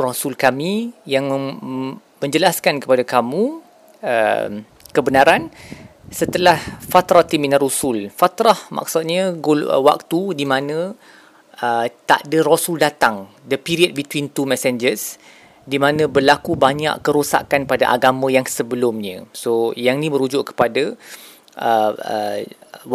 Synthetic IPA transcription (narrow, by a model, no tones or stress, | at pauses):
rosulkamĩjaŋ | mə̃ɲd͡ʒəlaskankə̥padakamũ | ə̰m | kəbənaɾan | sət̪əlahfat̪ɾat̪iminarusulfat̪ɾahma̰k̚sut̪̚ɲaɡolə̰wa̰k̚t̪udimãnə̃ | ət̪a̰ʔdərosuldat̪aŋ | dəpiɾiət̚bit̪wint̪umɛsɛnd͡ʒəs | dimãnə̃bərlakubaɲa̰ʔkəɾusa̰kanpadaʔaɡamə̃jaŋsəbəlʊmɲə̰̃sojaŋnĩmə̃ɾud͡ʒʊʔkə̥pada | ʔəə̰